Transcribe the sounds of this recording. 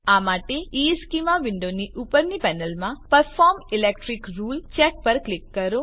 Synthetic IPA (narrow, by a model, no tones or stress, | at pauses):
amaʈeiskimaʋɪ̃ɳɖoniʔupəɾnipɛnəlmãpəɾfɔɾmilek̚ʈɾikɾult͡ʃɛk̚pəɾklɪkːəɾo